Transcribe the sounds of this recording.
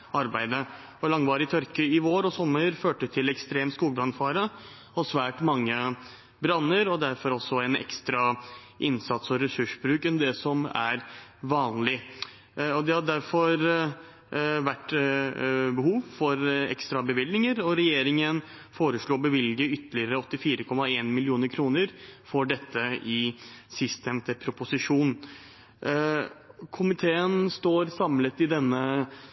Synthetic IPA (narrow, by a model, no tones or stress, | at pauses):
ɑɾbæɪd̪ə | ɔlɑŋːʋɑːɾəɪt̪ʰœɾkəɪʋoːɾɔsɔmːəɾføːʈət̪ʰɪlɛkst̪ɾeːmskuːlbɾɑnfɑːɾə | ɔsʋæːʈmɑŋːə | bɾɑnːəɾɔd̪æɾfɔɾɔsːɔænɛ̰kst̪ɾɑ | ʔɪnsɑt̪sɔɾɛsʉʂbɾʉːkɛnd̪ɛsɔmæ̰ɾʋɑːnlɪ | ɔd̪ɛhɑd̪æɾfɔɾ | ʋæʈː | bəɦuːʋfɔɾɛ̰kst̪ɾɑbəʋɪld̪nɪŋəɾɔɾɛjeːɾɪŋən | foːɾəʂɭuːbəʋɪlɡəʏt̪ːəlɪəɾəɔt̪ːɪfiːɾəkʰɔmːɑeːnmɪlɪuːnəɾkʰɾuːnəɾfɔɖɛt̪ːəɪsɪst̪ɛmt̪əpʰɾʊpʊsɪʂuːn | kʰʊmɪt̪ʰeːənst̪oːɾsɑmlət̪ɪd̪ɛnːə